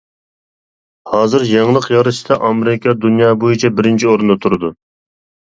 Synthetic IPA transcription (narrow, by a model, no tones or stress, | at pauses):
hɑːzɨɾjɑŋlˠəqjɑɾɨʃd̪ɑʔɑmeɾɪkʰʲɑd̪unjɑːbojit͡ʃʰɛbɪɾɪnt͡ʃʰioɾɨnd̪ɑt̪ʰuɾɨd̪u